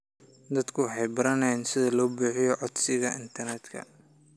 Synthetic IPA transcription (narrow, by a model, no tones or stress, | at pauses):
d̪ɐd̪kʰʊħɑjbɪɾɐnɛnsɪðɐlɔːbuːħɪjɔʕɔd̪sɪɣɐʔɪnt̪ʰɐrnɛd̪kʰɐ̰